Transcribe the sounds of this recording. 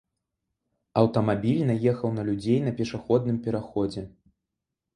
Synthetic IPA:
ɐwt̪ɐmabʲilʲnɐjɛxɐwnɐlʲud͡zʲejn̪ɐpʲɛʂaxɔd̪nɨmpʲɛɾaxɔd͡zʲɛ

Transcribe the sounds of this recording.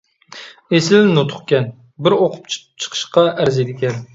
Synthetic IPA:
esɪlnot̪ʰʊ̥χkʲɛn | bɪɾoqʰʊp̚t͡ʃt͡ʃʰə̥qʰə̥ʃqɑʔæɾzed̪ɪkʲɛn

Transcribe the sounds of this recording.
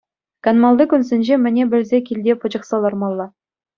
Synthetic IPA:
kɑnmɑlˠd̪ɤkʲunzʲɘ̆nʲʑemʲɘ̆nʲebʲɘ̆lʲzʲekʲilʲdʲepɤ̆d͡ʑɤ̆χsɑlˠɑrmɑlˠːɑ

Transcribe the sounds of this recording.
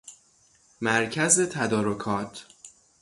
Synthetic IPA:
mæɾcʰæzet̪ʰæd̪ɒːɾokʰɒːt̪ʰ

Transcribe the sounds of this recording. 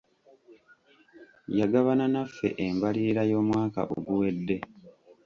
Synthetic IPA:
jaɡaβananafːe̞̰ʔembaliːɾajo̞ːmwaːka̰ʔo̰ɡuwe̞dːe̞

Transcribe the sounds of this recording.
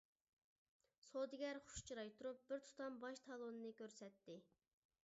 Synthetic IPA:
sod̪ɪɡʲɛɾχʊ̥ʃt͡ʃʰiɾɑjt̪ʰuɾup̚b̥ɪɾt̪ʰu̥t̪ɑmbɑʃt̪ʰɑlˠonɨnɨkʲʰøɾsɛt̪ʰːɪ

